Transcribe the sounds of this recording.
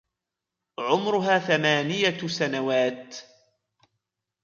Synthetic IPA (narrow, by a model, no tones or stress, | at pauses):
ʕʊmɾʊɦaːθamaːnɪjasanawaːt̪